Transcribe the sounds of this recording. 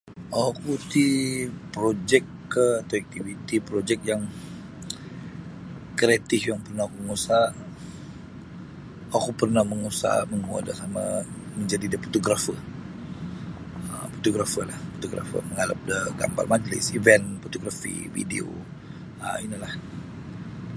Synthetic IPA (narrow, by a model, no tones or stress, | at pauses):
akut̪ipɾod͡ʒɛkː | əat̪aɛk̚t̪ivit̪ipɾod͡ʒɛk̚jaŋ | kɾat̪ɪfjaŋpərnahakuməŋusa | akupərnahməŋusa̰məŋua̰dasama | məɲd͡ʒadidəfot̪oɡɾafə | ə̰fo̥t̪oɡɾafəlahfot̪oɡɾa̰fə̰məŋala̰p̚dəɡa̰mba̰rmad͡ʒlɪ̰sivɛnfot̪oɡɾafḭvḭdḭo̰ | ə̰inilah